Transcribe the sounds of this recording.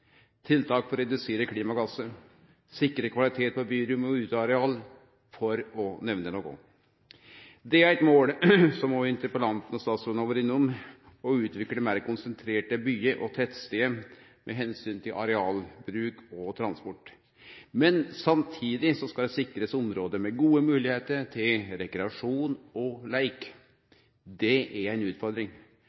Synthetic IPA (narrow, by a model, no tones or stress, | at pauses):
t̪ʰɪlt̪ʰɑːkfɔɾɛd̪ʉseːɾəkʰliːmɑɡɑsə | sɪkːɾəkʰʋɑlɪt̪ʰeːt̪̚pɔbyːɾʉmɔʉːt̪ɑɑɾɛɑːl | fɔɾɔnɛʋnənoːkʊ̰ | d̪ɛæɾɛt̪moːlsɔmɔɪnt̪əɾpəlɑnt̪n̩ɔst̪ɑːsuːnoːʋəɾɪnːʊm | ɔʉːt̪ʋɪkːəɖɛmæːɾkʊnsənt̪ʰɾeːʈəbyːəʔɔt̪ʰɛt̪st̪eːmʔɛ̰ɦɛnsyːnt̪ʰɪlɑ̰ɾɛɑːlbɾʉːkɔt̪ʰɾɑnspɔʈː | mɛnsɑmt̪ʰiːd̪ɪsɔskɑld̪ɛsɪkːɾəsɔmɾoːd̪əmɛɡuːəmʉːlɪheːt̪əɾʈʰɪlɾɛkɾɛɑʂuːnɔlæɪk | d̪ɛʔæɾæɪnʉːt̪fɔɾd̪ɾɪŋ